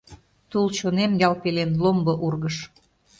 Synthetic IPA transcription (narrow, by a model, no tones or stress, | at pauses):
t̪ult͡ɕonemjɑlpelenlombɤ̆ʔurɣəʃ